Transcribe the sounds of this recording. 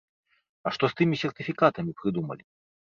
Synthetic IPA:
ɐʂt̪ɔst̪ɨmʲisʲɛrt̪ɨfʲikat̪ɐmʲipɾɨd̪umɐ̰lʲi

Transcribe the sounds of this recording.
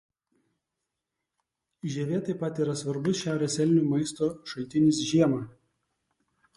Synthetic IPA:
ʒʲɛːʋʲiɛt̪ɐɪpɐt̪iːɾɐsʋɐɾbʊsʃʲæˑʊɾʲeːsʲɛlʲnʲumɐɪst̪oːʃɐlʲt̪ʲɪnʲɪsʒʲiɛmɑː

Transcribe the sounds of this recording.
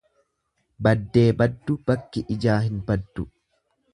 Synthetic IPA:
bɐd̪ːe̞ːbɐd̪ːʊb̥ɐkːɪʔɪd͡ʒaːɦɪnbɐd̪ːʊ

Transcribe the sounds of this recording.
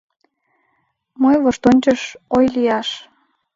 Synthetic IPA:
mojβoʃt̪onʲt͡ɕəʃojlijɑʃ

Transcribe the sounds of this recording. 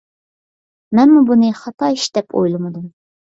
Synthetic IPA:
mɛnmubunɨχɑt̪ʰɑiʃd̪̥ɛpʰo̰jlˠɨmɨd̪um

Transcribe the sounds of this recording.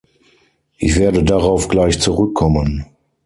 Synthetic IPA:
ʔɪçv̥eːɐdədaʁaʊfɡ̥laɪçt͡suʁʏkʰːɔmən

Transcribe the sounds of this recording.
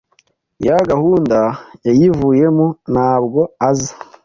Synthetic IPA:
jaɡahuːndajajivuːje̞munaːbɡo̞azḁ

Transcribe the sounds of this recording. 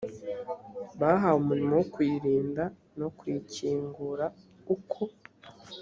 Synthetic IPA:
βaɦaumuɾimowokwiːɾiːnda | no̞kwiːciːŋɡuɾa | ukʰo

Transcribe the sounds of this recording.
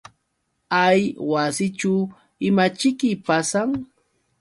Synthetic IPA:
ajwasɪt͡ʃʊ | ɪmat͡ʃɪkɪpasaŋ

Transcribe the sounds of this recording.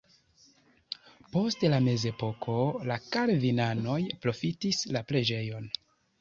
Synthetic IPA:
po̞stlame̞ze̞po̞kʰo̞lakaɾvinano̞jpɾo̞fitislapɾe̞d͡ʒe̞jo̞n

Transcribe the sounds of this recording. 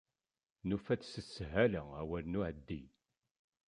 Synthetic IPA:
nufæt͡ssəsːɦæləæwælnuʕəd̪ːḭ

